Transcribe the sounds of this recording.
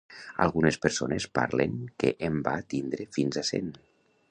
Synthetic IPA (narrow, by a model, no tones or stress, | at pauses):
a̰lˠɣunespəɾsonespa̰ɾleŋkeʔembat̪ind̪ɾefinzasḛn